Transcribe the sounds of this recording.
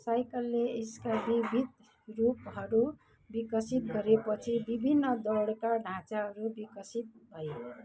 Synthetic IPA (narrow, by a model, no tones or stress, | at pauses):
sajkʌlːeeskabibʱid̪ | rupɦʌɾu | bikʌsit̪̚ɡʌɾepʌt͡sʰibibʱinːʌd̪ʌɽkaɖʱãt͡saɦʌɾubikʌsit̪̚bʱʌje